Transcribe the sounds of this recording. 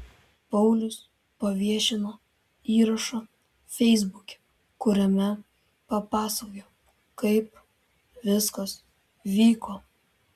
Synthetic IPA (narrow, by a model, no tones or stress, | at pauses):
pɐʊlʲʊs | pɐʋʲiɛʃʲɪnoː | iːɾɐʃɐ | fʲɛɪzbʊkʲɛ̥ | kʊɾʲɛmʲɛ | pɐpɑːsɐkjo | kɐɪp | ʋʲɪskɐs | ʋʲiːkoː